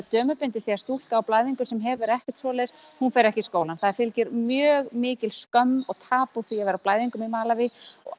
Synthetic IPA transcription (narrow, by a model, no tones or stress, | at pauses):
t̪œːmʏpʏnt̪ɪθiaɾst̪ul̥kaːwplaːjðiŋkʏsɛmɦɛvʏɾɛhcɛ̥t̪svɔːlɛshunfɛɾɛhcɪskoːwlanθaðɪɾ̥fɪlcɪɾmjœːɣmɪːcɪlskœmːɔɣt̪ʰaːpuθiavɛɾawplaːjðiŋkʏmimaːlavɪɔ̰ɣ